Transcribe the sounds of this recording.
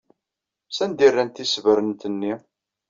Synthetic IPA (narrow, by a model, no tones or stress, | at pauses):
sænd̪irːænt̪isvəɾənt̪ənːi